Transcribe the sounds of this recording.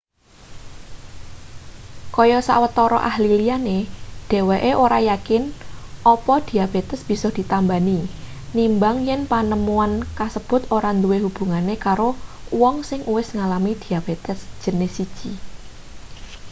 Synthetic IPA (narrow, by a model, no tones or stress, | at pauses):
kɔjɔsa̰wət̪ɔɾɔ̰ʔahlilianed̥e̤weʔeʔoɾajakɪnʔɔpɔd̪̥i̤ab̥et̪əsb̥i̤sɔhd̪̥i̤t̪ambani | nimbaŋjɛnpanəmuankasəb̥ʊ̤t̪oɾand̪uwehub̥ṳŋanekaɾowɔŋsɪŋʔuwɪsŋalamid̪̥i̤ab̥et̪əsʒ̥ə̤nɪhsid̥ʒ̥i